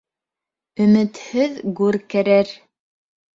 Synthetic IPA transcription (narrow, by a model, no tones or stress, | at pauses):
ɵ̆mɘ̆t̪hɘðɡʉɾkæɾæɾ